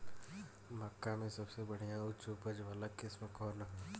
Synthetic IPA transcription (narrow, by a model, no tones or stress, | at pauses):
məkːamẽsɐbsebɐɽ̤ijãʊt͡ʃupəd͡ʒʋaləkɪsməkʰɔːɾnə